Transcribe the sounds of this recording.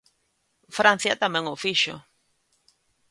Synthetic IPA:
fɾan̟θjat̪amẽŋofiʃo̰

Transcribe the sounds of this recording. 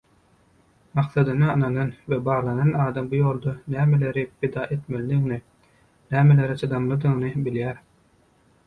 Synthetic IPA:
mɑqθɑd̪ɯnɯɯnɑnɑnwebɑːʁlˠɑnɑnɑːd̪ɑmbujoːlˠd̪onæːmele̞ɾipʰid̪ɑːʔe̞t̪melid̪iɣni | næːmele̞ɾit͡ʃʰɯd̪ɑmlˠɯd̪ɯŋnɯbiljæːɾ

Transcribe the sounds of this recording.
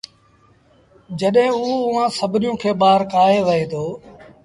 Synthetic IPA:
d͡ʒəɗɦɪ̃ːuːʊʋãːsəbʱnɪjõːkʰeːɓaːɾkaːɦeːʋəɦeːt̪ʰoː

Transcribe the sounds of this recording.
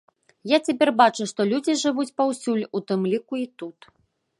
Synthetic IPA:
jat͡sʲap̬ʲɛrbat͡ʂuʂt̪ɔlʲud͡zʲiʐɨvut͡sʲpawsʲulʲut̪ɨmlʲikuit̪ut̪

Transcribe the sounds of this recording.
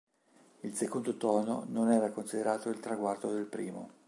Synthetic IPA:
ilsekond̪ot̪ɔːno̰nonɛːɾakonsid̪eɾaːt̪oilt̪ɾaɡward̪od̪elpɾiːmo̰

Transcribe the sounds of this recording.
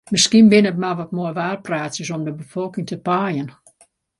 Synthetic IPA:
mɪskinbɪnətmaʋɔt̚moəʋaːrpraːtsəsɔmdəbəfɔlˠkɪŋtəpaːjən

